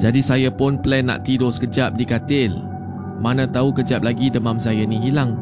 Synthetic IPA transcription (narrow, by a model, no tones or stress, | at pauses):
d͡ʒadisajapʊnplɛnːã̰ʔt̪idɔskəd͡ʒap̚dikat̪ɪl | mãnãt̪aukəd͡ʒap̚laɡidəmãmsajanĩɦilaŋ